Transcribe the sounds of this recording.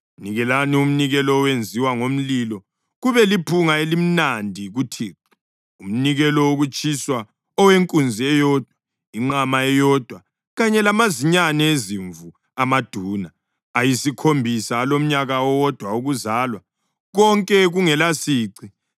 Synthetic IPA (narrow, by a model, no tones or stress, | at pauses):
niɣɛlanium̩niɣɛlɔːwend͡zʱiwaŋom̩lilɔ | ɣuβɛlipʰuŋaelim̩nandʱiɣutʰiːǀi̥ | um̩niɣɛlɔoɣut͡ʃʰʼiswa | ɔweŋkʼund͡zʱiɛjɔːd̥ʱwa | iŋ͡ǃamaɛjɔd̥ʱwa | ɣaɲɛlamaziɲanɛeziɱvu | amad̥ʱuːnaː | jisikʰombʱisaːlom̩ɲaɣaɔwɔd̥ʱwauɣuzaːlwa | ɣɔŋkʼɛɣuŋɛlasiːǀi